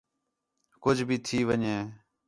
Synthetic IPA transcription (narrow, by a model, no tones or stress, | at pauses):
kʊd͡ʒʱbʱiːt̪ʰiːʋəɲeː